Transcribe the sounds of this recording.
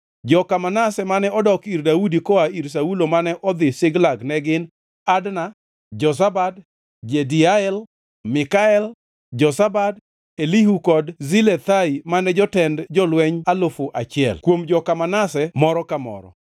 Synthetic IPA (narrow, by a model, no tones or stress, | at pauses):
d͡ʒɔkamanasɛmanɛɔdɔkirdaudikɔaiɾs̬aulomanɛʔɔd̪ɪsɪɡlaɡnɛɡɪn | adna | d͡ʒɔs̬abad | d͡ʒediaɛl | mɪkaɛl | d͡ʒɔsabad | eliɦukɔdzilet̪aimanɛd͡ʒɔtɛndd͡ʒɔlwɛɲalofoʔat͡ʃɪɛ̰lkwomd͡ʒɔkamanasɛmɔɾɔkamɔ̰ɾɔ̰